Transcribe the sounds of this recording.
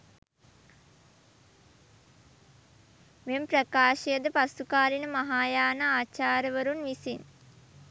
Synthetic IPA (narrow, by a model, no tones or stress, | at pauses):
memprɐkaːʃejəd̪əpasukaːɾinəmɐɦaːjaːnaaːt͡ʃaːɾəʋəɾunʋisin